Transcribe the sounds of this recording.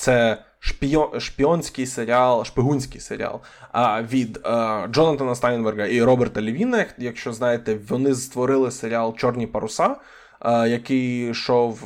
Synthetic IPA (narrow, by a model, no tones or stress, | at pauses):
t̪sɛ | ʃpʲijɔʃpʲiɔnʲsʲkɪjseɾʲiɑlˠʃpeɦunʲsʲkɪjseɾʲḭɑ̰lˠ | ʋʲid̪d͡ʒɔnɐt̪ɐnɐst̪ɑjnbɛrɡɐiɾɔbɛrt̪ɐlʲiʋʲinɐjɐkʃt͡ʃɔznɑjet̪ɛʋɔnɪzt̪ʋɔɾɪlˠɪseɾʲiɑlˠt͡ʃɔrnʲipɐɾʊsɑ | jɐkɪjʃɔw